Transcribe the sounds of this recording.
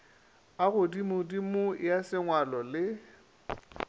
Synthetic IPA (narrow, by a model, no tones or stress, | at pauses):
aɣʊdimʊdimʊjasɪŋwalɔlɪ